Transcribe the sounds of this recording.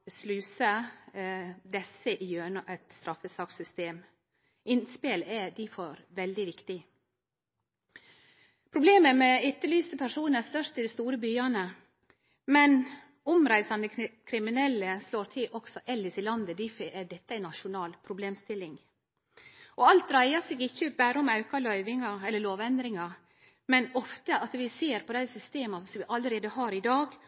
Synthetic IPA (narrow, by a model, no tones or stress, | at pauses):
slʉːsə | d̪ɛsəʔɪjøːɳəʔɛt̪st̪ɾɑfəsɑːksʏst̪eːm | ʔɪnspeːlɛd̪ɪfoːɾʋɛld̪ɪʋɪkt̪ɪ | pʰɾʊbleːməmɛʏt̪ːəlyːsəpʰæʂuːnæst̪œʂt̪ɪd̪ɛst̪uːɾəbyːɑnə | mɛn | ʊmɾæɪsɑnəkʰɾɪmɪnɛlːəsloːɾt̪ʰɪlʔɔɡ̥sɔʔɛlːɪsɪlɑnd̪əd̪ɪfæd̪ɛt̪ːəæɪnːɑʃʊnɑːlpʰɾʊbleːmst̪ɪlːɪŋ | ʔɔɑlt̪ɾæɪɑseːɡɪçːəbæːɾəɔmɑʉkɑlœʏʋɪŋɑɛlːəloːʋɛnd̪ɾɪŋɑ | mɛnɔft̪əʔɑt̪ʋɪseːɾpʰɔd̪æɪsʏst̪eːmɑsɔmʋɪʔɑlːəɾeːd̪əhɑːɾɪd̪ɑːɡ